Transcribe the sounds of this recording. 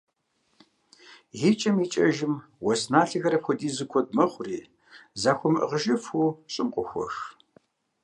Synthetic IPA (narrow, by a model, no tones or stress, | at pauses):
jit͡ʃʼɐmiːt͡ʃʼɐʒɪmwɔsnaːɬɨɣɐɾɐpxʷɔdʼiːzɨkʷʰɔtʼmɐχʷʊriː | zaːxʷɔmʔə̰ʁəʒɨfuːɕʼɪmqʷʼʊxʷɔ̰x